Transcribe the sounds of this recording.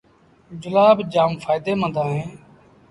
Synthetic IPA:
d͡ʒʊlaːbd͡ʒaːmfaːjd̪eːmə̃nd̪ãːɦẽː

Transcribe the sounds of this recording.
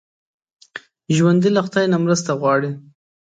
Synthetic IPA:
ʒwand̪ilaxt̪ɑjnamɾəst̪aɣwɑɽi

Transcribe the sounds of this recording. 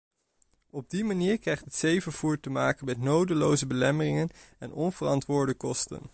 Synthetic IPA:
ɔb̚dimaniːɹkrejχtɦətsejvəɹv̥uːɹtəmaːkənmɛtnowdəlowzəbəlɛmərɪŋənɛnɔnvərɑntʋʊːɹdəkɔstə̰n

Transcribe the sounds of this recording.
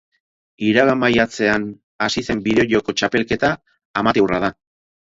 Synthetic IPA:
iɾaɣamajat͡se̞an | asise̞mbiðe̞o̞joko̞t͡ʃape̞lke̞t̪aː | mat̪ewrað̞a

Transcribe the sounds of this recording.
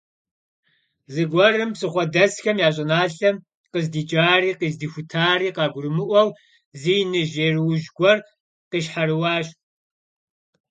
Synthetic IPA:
zɨɡʷɔrɨmpsʼɨχʷɔdɐsxɐmjaːɕ̬ʼɪnaːɬɐm | qəzdiːt͡ʃʼaːriːqiːzdiːxʷʊtʰaːriːqɑːɡʷʊrɨmɨʔʷɔw | ziːnɨʒeːrɨwʒɡʷɔr | qiːɕħaɾɨwaːɕ

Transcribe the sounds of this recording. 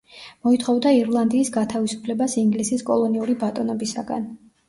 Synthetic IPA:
mɔit̪ʰχɔvd̪aiɾlˠand̪iːsɡat̪ʰavisu̥pʰlɛbasiŋɡlisiskʼɔ̰lˠɔniuɾibat̪ʼɔnɔbisaɡa̰n

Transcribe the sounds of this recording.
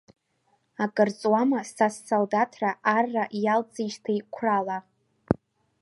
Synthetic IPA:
akʼɨrt͡sʼwamasasːoldatʰraʔarːaʔjalt͡sʼiʃtʰaikʷʰrala

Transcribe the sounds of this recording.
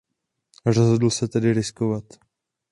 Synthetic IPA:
rozɦodl̩sɛt̪ɛdɪɾɪskovat̪

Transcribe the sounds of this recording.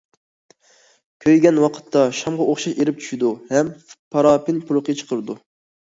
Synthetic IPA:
kʲʰøjɡʲɛnwɑqʰə̥t̪ʰːɑʃɑmʁɑʔoχʃɑʃeɾɪp̚t͡ʃʰy̥ʃid̪uhɛmpʰɑɾɑːpɪnpʰuɾʊqʰət͡ʃʰə̥qʰəɾɨd̪u

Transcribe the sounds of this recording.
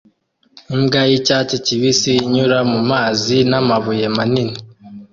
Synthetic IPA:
imɡajicat͡ʃeciβisiiɲuɾamumaːzinamaβuje̞manini

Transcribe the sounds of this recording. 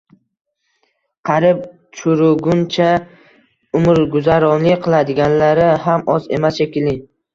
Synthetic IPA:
qʰɑɾɪp̚ | t͡ʃʰʊɾʊɡʊnt͡ʃʰa | ʊmɾɡʊzaɾɒnlɪqʰɨlˠad̪ɪɡʲanlaɾɪɦamʔɒze̞̰masʃekʲɪlɪ

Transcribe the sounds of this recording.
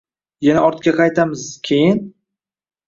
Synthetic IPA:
janaʔɒɾt̪kʲaqʰɑjt̪ʰamɪzkʲʰejɪn

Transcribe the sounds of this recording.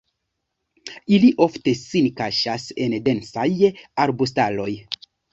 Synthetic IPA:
iliʔo̞ftesinkaʃase̞nde̞nsajaɾbus̬talo̞j

